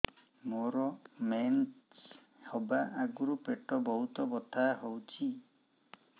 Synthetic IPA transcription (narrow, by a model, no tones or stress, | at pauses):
moɾɔment͡ʃ | hɔbaʔaɡuɾupeʈɔbɔɦut̪ɔbɔt̪ʰaɦowt͡ʃʰi